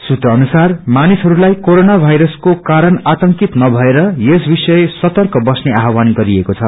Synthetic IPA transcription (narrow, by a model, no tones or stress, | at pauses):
sut̪rʌʌnusarmanisɦʌɾulajkoɾonabʱajɾʌskokaɾʌnat̪ʌŋkit̪nʌbʱʌeɾʌjesbisʌesʌt̪ʌrkʌbʌsneaɦwanɡʌɾiekot͡sʰʌ